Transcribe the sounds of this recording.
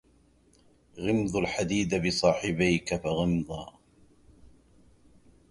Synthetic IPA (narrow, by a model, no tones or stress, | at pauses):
ɣɪmðˤʊlħad̪iːd̪abɪsˤɑːħɪbajkafaɣɪmðˤɑː